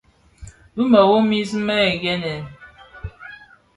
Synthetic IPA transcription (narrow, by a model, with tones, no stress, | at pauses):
bɨ˦mə˨wo˦mi˦zɨ˦mə˦e˨ɡɛ˦nɛ˨n